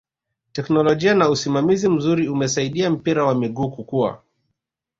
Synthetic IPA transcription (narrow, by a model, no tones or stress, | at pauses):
tɛknɔlɔʄianausimamizim̩zuɾiumɛsaiɗiam̩piɾawamiɠuːkukua̰